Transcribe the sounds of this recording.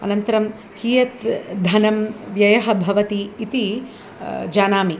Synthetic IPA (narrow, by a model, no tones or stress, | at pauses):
ɐ̰nɐnt̪ɐɾɐm | kiːjɐt̪d̪ʱɐnɐmʋjɐjɐɦɐbʱɐʋɐt̪iːt̪i | d͡ʒaːnaːmi